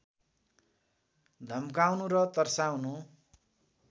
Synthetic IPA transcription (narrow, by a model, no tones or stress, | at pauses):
d̪ʱʌmkawnuɾʌt̪ʌrsawnu